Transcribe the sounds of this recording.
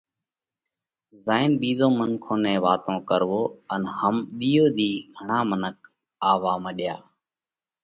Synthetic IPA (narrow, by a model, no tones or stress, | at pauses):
zaːɪnɓiːzõːmənkʰõːnẽːʋaːt̪õːkəɾʋoːənhəmɗ̪iːoːd̪iːɡʱəɳaːmənək̚ | aːʋaːməɗjaː